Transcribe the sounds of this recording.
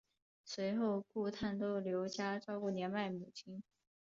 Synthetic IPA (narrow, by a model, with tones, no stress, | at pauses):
swe˧˥ɪxo˥˧ʊku˥˧t̪ʰa˥˩nt̪o˥ʊljo˧˥ʊt͡ɕja˥ʈ͡ʂɑ˥ʊku˥˩njɛ˧˥nma˥˩ɪmu˨˩t͡ɕʰi˥n